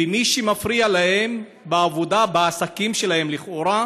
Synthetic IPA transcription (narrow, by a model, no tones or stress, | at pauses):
imiʃimafɾialahe̞m | beavod̪abeasakimʃe̞lahe̞mliχʔoɾa